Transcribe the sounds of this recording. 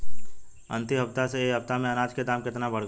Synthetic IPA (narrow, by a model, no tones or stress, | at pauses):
ə̰̃nt̪iɦɐb̚t̪aseɦɐb̚t̪amẽɐnaːd͡ʒked̪aːmkɪt̪nabəɽɡ